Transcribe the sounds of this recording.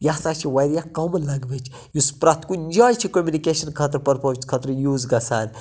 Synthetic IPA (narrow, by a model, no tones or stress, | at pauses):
jasat͡ʃʰiʋɐjɾijakɐmnlɐɡbet͡ʃʰ | juspɾɐt̪ʰkuind͡ʒaːjt͡ʃʰikomʲjunikeːʃɐnkʰɐt̪̬ɾpɐɾpɐʋt͡ʃkʰɐt̪ɾjuːzɡɐsa̰ːn